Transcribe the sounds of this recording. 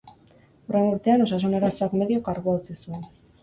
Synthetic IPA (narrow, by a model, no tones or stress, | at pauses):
oɾenuɾt̪e̞ano̞sas̬one̞ɾasoakme̞ðio̞kaɾɣoat͡sisue̞n